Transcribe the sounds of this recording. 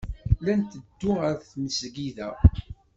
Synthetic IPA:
lænt̪əd̪ːuəɾθnəsɡiðæ̰

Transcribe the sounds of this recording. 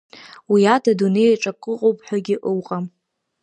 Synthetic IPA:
wiatʰadune̞jaʈ͡ʂʼakʼɨqʼowpʼħʷᶣaɡʲɪʔɨwqʼam

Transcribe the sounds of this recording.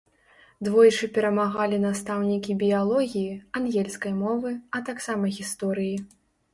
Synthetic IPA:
d̪vɔjt͡ʂɨpʲɛɾɐmaɣalʲinast̪awnʲikʲibʲijalˠɔɣʲijianɣʲɛlʲsʲkɐjmɔvɨɐt̪aksamɐɣʲist̪ɔɾɨji

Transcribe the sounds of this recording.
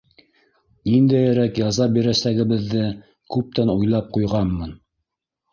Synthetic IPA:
nind̪æjæɾækjɑzɑbiɾæsæɡɘ̆βɘ̆ðːɘ | kʉp̚t̪ænujlˠɑp̚qujʁɑnmɤn

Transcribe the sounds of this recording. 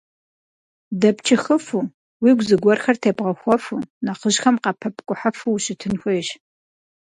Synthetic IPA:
dɐpt͡ʃʰɪxəfu | wiːɡʷzɨɡʷɔrxɐrtʰeːbʁɐxʷɔfunɐqəʒxɐmqɑpʰɐpʰʼkʷʼʊħafuwɕɪtʰɨnxʷejɕ

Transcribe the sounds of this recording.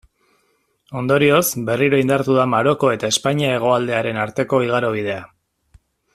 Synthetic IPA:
o̞nd̪o̞ɾio̞sbe̞riɾo̞ind̪aɾt̪uðamaɾo̞ko̞e̞t̪ae̞spaɲiae̞ɣ̞o̞ald̪e̞aɾe̞naɾt̪e̞ko̞iɣ̞aɾoβ̞ið̞e̞a

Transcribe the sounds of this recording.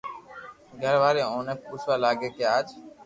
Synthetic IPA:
ɡʱəɾʋaːɾeːoːnəpuːsʋaːlaːɡeːkeaːd͡ʒ

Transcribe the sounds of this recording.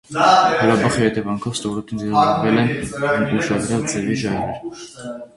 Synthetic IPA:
həɾɑbɑχihɛt̪ɛvɑŋkʰɔvst̪ɔɾɔt̪inzɛɾɑd͡ʒɑɾvɛlɛnnt̪uʃɑd̪ɾjɑld͡zɛviʒɑɾɛɾ

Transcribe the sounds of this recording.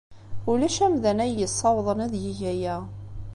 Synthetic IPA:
ulæʃæmðænæjːəsˤːɑwðˤənæðjiʝæjæ

